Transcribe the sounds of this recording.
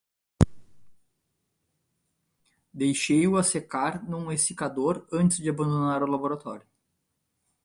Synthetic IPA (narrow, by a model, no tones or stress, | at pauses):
d̪ejʃejʊasekaɾnũesikad̪oɾɐ̃nt͡ʃ̪ɪzd͡ʒɪabɐ̃nd̪onaɾʊlaboɾat̪ɔɾjʊ